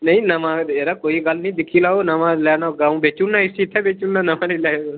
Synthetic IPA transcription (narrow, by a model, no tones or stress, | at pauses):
nəĩnəʋãeːɾakoːiɡalnĩd̪ɪkʰiːlaːonəʋãlaːnaɡãːũbet͡ʃunnaɪsiːt̪ʰɛbet͡ʃuːnːanɐʋãnilaːjo